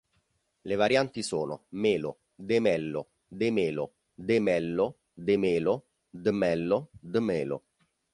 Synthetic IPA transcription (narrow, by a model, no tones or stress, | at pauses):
levaɾjant̪isoːno̰meːlo | d̪emɛlːo̰ | d̪emeːlo | d̪emɛlːo | d̪emeːlʊ | d̪əmɛlːod̪əmeːlo̰